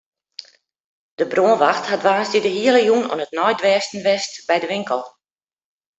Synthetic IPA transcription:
d̥əbroənʋaxthatʋaːsdidəɦiələjuno̰ənətnɔjdʋɛːstn̩ʋɛstbɛjdəʋɪŋkəlˠ

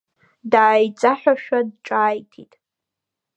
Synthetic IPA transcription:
daːjt͡sʼaħʷᶣaʃᶣad̚ʈ͡ʂʼaːjtʰḭtʼ

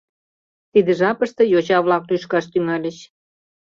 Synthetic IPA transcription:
t̪id̪ə̆ʒɑpəʃt̪ə̆jot͡ɕɑβlɑklyʃkɑʃt̪yŋɑlʲəɕ

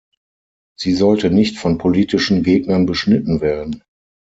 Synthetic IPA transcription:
z̥iːzɔltənɪçtfɔnpʰoliːtɪʃn̩ɡeːɡnɐnbəʃnɪtn̩veːɐdn̩

